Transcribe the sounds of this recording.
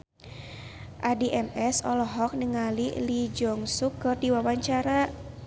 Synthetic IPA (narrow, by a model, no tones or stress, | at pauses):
ʔadiʔɛmɛsɔlɔɦɔk̚nəŋalilid͡ʒɔŋsukɨrdiwawaɲt͡ʃaɾa